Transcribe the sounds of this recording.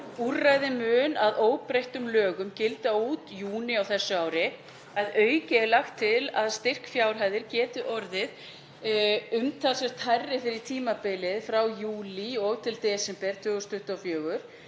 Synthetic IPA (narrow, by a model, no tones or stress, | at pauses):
urajðɪmʏːnaðoːwpɾejht̪ʏmlœːɣʏmcɪlt̪auːt̪juːnɪawθɛsːʏaːwɾɪ | aðœːɥcɛlaxt̪ʰːɪlaðst̪ɪr̥kfjawɾ̥ɦajðɪɾcɛːt̪ʏʔɔɾðɪð | ʏmt̪ʰasɛɾ̥t̪ʰajrːɪfɪɾɪɾt̪ʰiːmapɪlɪðfɾawjuːliɔɣt̪ʰɪlt̪ɛːsɛmpɛɾ̥t̪ʰʏːɣʏst̪ʰʏht̪afjœːɣʏɾ̥